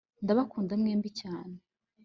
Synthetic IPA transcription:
ndaβakuːndamŋeːmbicaːne

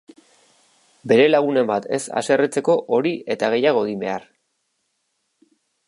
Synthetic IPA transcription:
be̞ɾe̞laɣ̞une̞mbat̪e̞̰sa̰se̞ret͡se̞ko̞ʔoɾie̞t̪aɣ̞e̞jaɣ̞o̞eɣimbe̞̰ar

